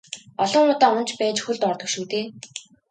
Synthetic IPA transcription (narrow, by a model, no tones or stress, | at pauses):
ɔɮɞ̆ŋʊːt̪aːʊn̥t͡ɕpæːt͡ɕxuɮt̪ɔrt̪ɞ̆kʃuːt̪eː